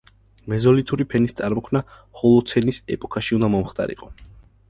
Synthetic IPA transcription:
mɛzɔlit̪ʰuɾipʰɛnist̪sʼaɾmɔkʰmna | hɔlˠɔt̪sʰɛnisɛ̰pʼɔkʰaʃiund̪amɔmχt̪ʼa̰ɾḭqʼɔ

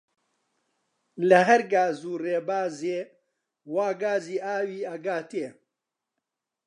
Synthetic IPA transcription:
lɐɦɐɾɡaːzuːreːbaːzeː | waːɡaːziːʔaːwiːɐɡaːt̪eː

